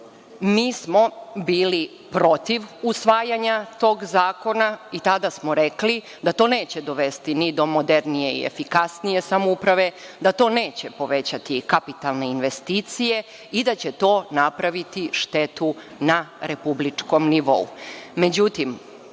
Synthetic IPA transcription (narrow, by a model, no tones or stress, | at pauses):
miːsmo̞biːli | pɾo̞t̪iʋusʋaːjaɲat̪o̞ːɡzaːko̞nait̪ad̪asmo̞ɾekli | d̪at̪o̞ːne̞ːt͡ɕe̞d̪o̞ʋe̞st̪inid̪o̞mod̪e̞ɾnije̞ḭḛfikasnije̞samoupɾaʋe̞d̪at̪o̞ːne̞ːt͡ɕe̞po̞ʋe̞t͡ɕat̪ikapit̪alˠne̞inʋe̞st̪iːt̪sije̞ | id̪at͡ɕe̞t̪o̞ːnapɾaʋit̪iʃt̪e̞t̪u | naɾe̞publit͡ʂko̞mniʋo̞̰ṵme̞d͡ʑut̪im